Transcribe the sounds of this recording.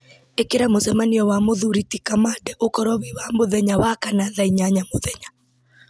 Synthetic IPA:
ekeɾamosɛmaniɔwamoðuɾitikamadɛʔokɔɾwɔβiwamoðɛɲawakanaðaiɲaɲamoðɛɲa

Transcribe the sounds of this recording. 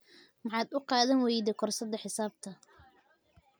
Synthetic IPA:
mɑħɑːd̪ʊqɑːðɐnwɛjðɛkʰɔrsɐd̪ːɐħɪsaːb̚t̪ʰɐ

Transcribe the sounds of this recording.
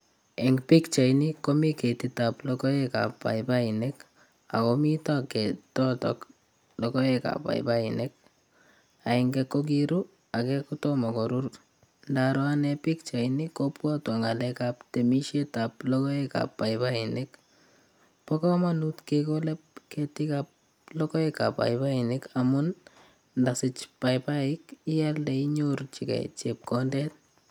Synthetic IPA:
ɛŋɡpikt͡ʃajnikomiketitaplɔkɔeka̰pːa̰jpainek | akomitakɛtɔtɔ̰k | lɔkɔeka̰pa̰j̰painek̚ | aiŋɡɛkok̬iɾu | akɛkutɔmɔkoɾur | ndaɾɔanɛpɪk̚t͡ʃainɪkːɔpwatwaŋalɛkaptɛmiʃetaplɔkɔɛka̰pːaɪbainɪk | pɔkɔmanutkekolɛp̚kɛtɪkap̚ | lɔkɔɛkapa̰ɪbainɪkamun | ndasɪt͡ʃpajpaɪkialdɛiɲort͡ʃikɛ̰t͡ʃep̚kɔndɛt̚

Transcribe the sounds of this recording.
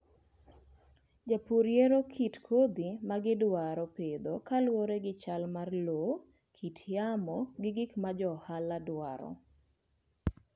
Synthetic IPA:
d͡ʒapuɾjeɾokʰitkʰod̪imaɡɪdwaɾɔped̪okalwoɾeɡɪt͡ʃalmarlo | kʰitʰjamɔɡɪɡɪkmad͡ʒɔhaladwa̰ɾɔ̰

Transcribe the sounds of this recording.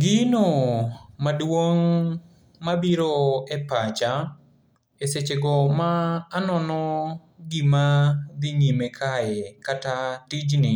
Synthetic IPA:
ɡɪnomadwoŋ | mabiɾoɛpat͡ʃa | eset͡ʃeɡɔmaːnɔnɔ | ɡɪmad̪ɪɲimekʰaɛkatatid͡ʒnɪ

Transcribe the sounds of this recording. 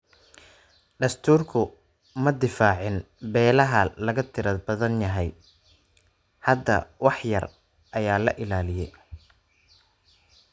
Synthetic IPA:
ɖɐst̪ʰuːrkʰʊ | mɐd̪ɪfaːʕɪn | bɛːlɐɦɐlɐɣɐt̪ʰɪɾɐd̪bɐðɐnjɐɦɛj | hɐd̪ːɐ̰wɑħjɐ̰r | ʔɐjaːlɐ̰ʔɪlaːlɪjɛj

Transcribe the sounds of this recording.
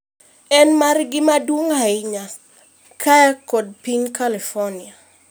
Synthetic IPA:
ɛnmarɡɪmadwoŋaɪɲa | kʰaakɔd̚piɲkalifɔnia

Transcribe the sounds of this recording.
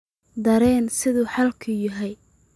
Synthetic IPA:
d̪ɐɾɛːnsɪðuːħɑlkʰʊjɪɦɛj

